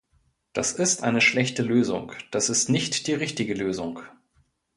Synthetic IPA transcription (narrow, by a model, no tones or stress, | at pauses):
d̥asɪstʔa̰ɪnəʃlɛçtəløːzʊ̰ŋd̥asɪstnɪçtd̥iːʁɪçtɪɡəløːzʊŋ